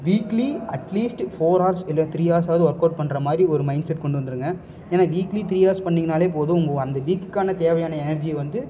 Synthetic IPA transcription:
ʋiːkliɐʈliːsʈfoːɾaːɾsɪlːɐt̪ɪɾiːaːɾs̬aːʋɐðɯɔɾkoːɖ̚pɐɳːɾɐmaːd̪ɾiɔɾɯmɐɪnɖsɛʈ̚ːkɔɳɖɯʋɐnd̪ɯɾɯŋɡɐ | eːnaːʋiːklit̪ɪɾiːjaːɾspɐɳːɪŋɡɐnaːleːp̬oːðɯʊŋɡɐɐnd̪ɐʋiːkːɯkːaːnɐt̪eːʋɐjaːnɐɛnɐɾd͡ʒiɛʋɐnd̪ɯ

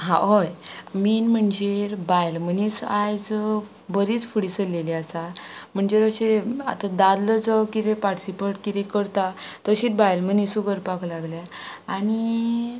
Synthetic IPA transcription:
ɦã̰ɦojmiːnm̤əɳd͡ʑeɾbajlmənit͡sajd͡z | bəɾit͡sfuɽisəlːeliasam̤əɳd͡ʑeɾəɕea̰t̪ad̪ad̪ləd͡zəwkiɾepaʈsipəʈkiɾẽkəɾt̪at̪əɕiːt̪̚bajlmənisuɡəɾpaklaɡlja | ani

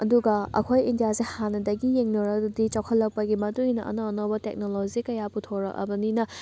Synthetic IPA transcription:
ɐduɡɐɐ̰kʰojindijazehanɐdɐɡijeŋnoɾɐkdudit͡ʃawkʰɐlːɐk̚pɐɡimɐtuŋinɐʔɐ̰noɐnobɐtek̚nolozikɐjaputʰoɾɐ̰kɐ̰bɐninɐ

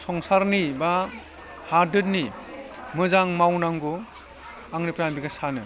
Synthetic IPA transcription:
sɔŋsaɾniba | hadɯt̚nimɯzaŋmawnaŋɡɔ | aŋnipɾanbiɡasanɯ

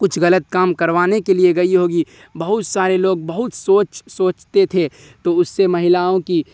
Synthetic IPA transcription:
kʊt͡ʃʰɣɐlət̪̚kaːmkɐɾʋaːnekelieɡɐiɦoːɡi | bɐɦʊt̪saːɾeloːɡ̚bɐɦʊt̪soːt͡ʃsoːt͡ʃt̪et̪ʰe | t̪oʊsːemɐɦɪlaːõki

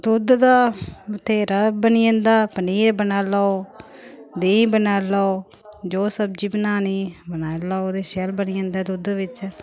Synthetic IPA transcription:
d̪ʊd̪d̪aːʊt̪ʰːeːɾəbəniːə̃nd̪aːpəniːɾbənaːlaːo | d̪eːibənaːlaːo | d͡ʒoːsəb̚d͡ʒiːbənaːniːbənaːlaːoːd̪eːʃɛːlbəniːə̃ːnd̪aːd̪ʊd̪ʋɪt͡ʃ

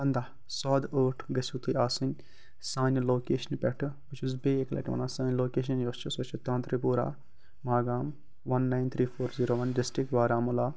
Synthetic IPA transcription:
ɐnd̪aː | sɔːd̪oːʈʰɡɐsʲuːt̪ɨjaːsunʲ | saːnʲloːkeːʃɐnpʲɛʈʰɨbɨt͡ʃʰuzbeːeklɐ̰ʈʋɐ̰nãːsɐ̃ːnʲloːkeːʃ̬ɐnjost͡ʃʰusɐt͡ʃʰut̪ãːnt̪ɾipuːɾa̰ː | maːɡaːm | ʋɐnːajnt̪ʰɾiːfʰoːɾziːɾoːʋɐnɖɪsʈɾik̚ʈʋaːɾaːmulaː

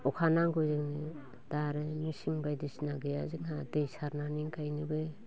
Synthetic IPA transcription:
ɔkʰanaŋɡozɯŋnɯ | d̥aɾɯmisiŋbajdɯsinaɡɯjazɯŋhadɯjsaɾnaniŋkʰajnɯbɯ

